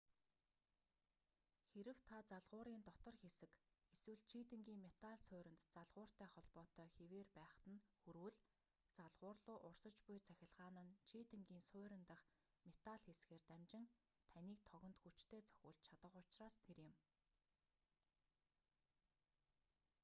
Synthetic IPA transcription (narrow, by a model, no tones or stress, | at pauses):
xeɾɘ̆wt̪ʰat͡saɮʁʊːɾiːnt̪ɔt̪ɞ̆rxesɘ̆keswɘ̆ɮt͡ɕʰiːt̪ɘ̆ŋɡʲiːŋmet̪aɮsʊːɾʲɪ̆nt̪t͡saɮʁʊːr̥t̪æːχɔɮpɔːt̪œːxeweːrpæːχt̪ə̆nxuɾwɘ̆ɮ | t͡saɮʁʊːrɮʊːʔʊrsə̆t͡ɕpʊjt͡sʰæxʲɪ̆ɮʁaːnə̆nt͡ɕʰiːt̪ɘ̆ŋɡiːnsʊːɾɪ̆nt̪ə̆χ | met̪aɮxesɡeːrt̪æmt͡ɕɪ̆ŋ | t̪ʰæniːk̚t̪ʰɔɣʲɞ̆nt̪xut͡ɕt̪ʰeːt͡sʰœ̥xʲʊ̆ːɮt͡ɕt͡ɕʰat̪ə̆χʊt͡ɕraːst̪ʰeɾjɪ̆m